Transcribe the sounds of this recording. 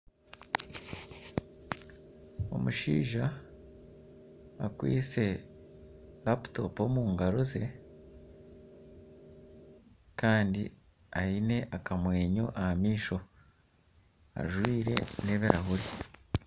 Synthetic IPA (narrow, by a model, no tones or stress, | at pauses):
o̞̰muʃḭːʒa | kwḭːt͡se̞ | lapto̞̰po̞muːŋɡaɾoze̞ | kaːndi | aine̞ʔakamwe̞ːɲo̞̰ʔahamiːʃo̞ | a̰ʒwiːɾe̞̰ne̞ːβeɾaɦuɾi